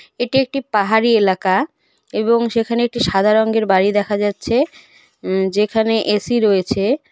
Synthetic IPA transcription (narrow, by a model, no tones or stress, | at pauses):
eʈiek̚ʈipaɦaɾielaka | eboŋʃekʰaneek̚ʈiʃad̪ʱaɾoŋɡeɾbaɾid̪ɛkʰad͡ʑatːɕʰe | d͡ʑekʰaneʔesiɾoet͡ɕʰe